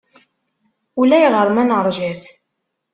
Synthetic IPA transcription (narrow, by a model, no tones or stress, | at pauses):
ulæjʁəɾˤmænʁəɾˤʒæθ